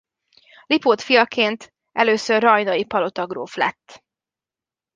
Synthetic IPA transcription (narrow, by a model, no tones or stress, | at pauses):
lipoːt̪fijɒkeːnt̪ | ʔɛløːsørːɒjnɒjipɒlo̞t̪ɒɡro̰ːflɛ̰t̪ː